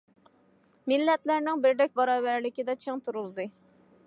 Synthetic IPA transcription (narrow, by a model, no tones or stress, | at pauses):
milːɛt̪læɾnɪŋbɪɾd̪ɛk̚ʲbɑɾɑːbæɾlɪkʲid̪ɛt͡ʃʰeŋt̪ʰuɾulˠd̪ɨ